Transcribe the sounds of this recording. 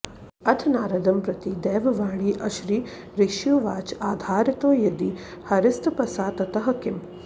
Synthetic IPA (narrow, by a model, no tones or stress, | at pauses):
ɐt̪ʰnaːɾɐd̪ɐmpɾɐt̪id̪eːʋɐʋaːɽiːʔɐʃɾiː | ɾiʃjuʋaːt͡ʃaːd̪ʱaːɾɐt̪oːjɐd̪i | hɐɾɪst̪pɐsaːt̪ɐt̪ɐɦɐkim